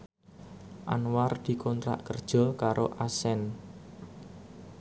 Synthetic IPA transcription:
ʔanward̪̥i̤kʰɔnt̪ɾa̰ʔkərd̥ʒ̥ɔ̤kaɾʔoʔasɛn

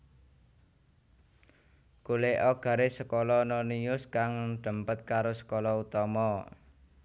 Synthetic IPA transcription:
kuleʔɔɡ̥ä̤ɾesəkolɔnɔniʊskaŋɖ̪̥ə̤mpət̪̚kaɾosə̥kolɔut̪ɔmɔ

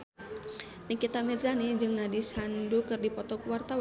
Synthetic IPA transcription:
nikit̪amirzanid͡ʒɨŋnadisandukɨrdipɔt̪ɔkuwart̪aw

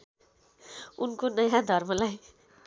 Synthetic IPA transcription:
unkonʌjãd̪ʱʌrmʌlaj

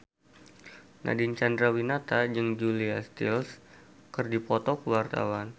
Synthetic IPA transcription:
na̰dint͡ʃand̪ɾawinat̪ad͡ʒɨŋd͡ʒuliast̪ḭls | kɨrdipɔt̪ɔkəwart̪a̰wan

